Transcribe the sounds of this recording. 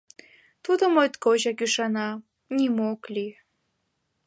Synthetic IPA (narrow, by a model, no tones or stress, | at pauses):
t̪ud̪omojt̪koʑɑkyʃɑnɑ | nʲimoklʲi